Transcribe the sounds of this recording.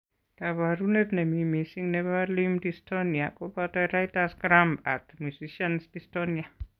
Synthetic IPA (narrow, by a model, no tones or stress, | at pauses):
kaβaɾunepnemimisiŋnebalimdistoniakopatɔɾajtasɡɾamba̰tmjusiʃansdistɔnia